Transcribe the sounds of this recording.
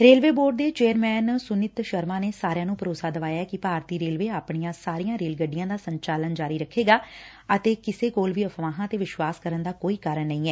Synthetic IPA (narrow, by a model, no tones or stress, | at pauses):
ɾeːlʋeːboːɖd̪eːt͡ʃeːəɾmɛːnsʊnɪt̪ʃəɾmãːneːsaːɾjãːnũːpəɾoːsaːd̪əʋaːjaːɛːkɪpaːɾt̪iːɾeːlʋeːaːpɳijãːsaːɾijãːɾeːlɡəɖɪjãːd̪aːsəɲt͡ʃaːlənd͡ʒaːɾiːɾəkʰːeːɡaː | ət̪eːkɪseːkoːlʋiːəfʰʋaːɦãːt̪eːʋɪʃʋaːskəɾənd̪aːkoːiːkaːɾəɳːəĩːɛː